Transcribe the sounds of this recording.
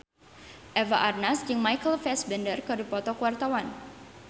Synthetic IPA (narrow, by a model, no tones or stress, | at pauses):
ʔɛvaʔarnasd͡ʒɨŋmajkəlfɛsbɛndərkadupɔt̪ɔkuwart̪awan